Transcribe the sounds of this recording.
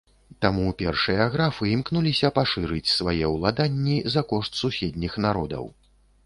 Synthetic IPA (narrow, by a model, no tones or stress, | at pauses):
t̪amupʲɛrʂɨjɐaɣɾafɨimknulʲisʲɐpaʂɨɾɨt͡sʲsvajɛwlˠad̪anʲːizɐkɔʂt̪susʲɛd̪ʲnʲixnaɾɔd̪ɐ̰w